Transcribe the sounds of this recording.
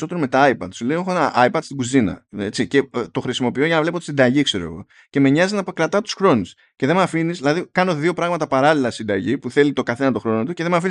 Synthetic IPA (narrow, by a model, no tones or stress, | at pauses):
so̞t̪e̞ɾome̞t̪ɐɐjpɐ̰d̪sulejexoenɐʔɐipɐd̪st̪iɡuzinɐ̰et͡sice̞t̪o̞xɾisimo̞pioʝɐnɐvle̞pot̪i̥sind̪ɐʝikse̞ɾo̞ḛɣo̞̰ | ce̞me̞ɲɐzinɐpkɾɐt̪ɐt̪u̥sxɾo̞nus | ce̞ðe̞mɐfinizðilɐðikɐno̞ðio̞pɾɐɣmɐt̪ɐpɐɾɐlilɐsind̪ɐʝipuθe̞lit̪o̞kɐθe̞nɐt̪o̞xɾo̞not̪uce̞ðemɐfini